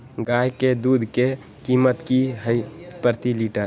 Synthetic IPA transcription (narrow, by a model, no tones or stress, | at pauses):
ɡajked̪ud̪ʱke | kimət̪kiɦəjpəɾt̪iliʈəɾ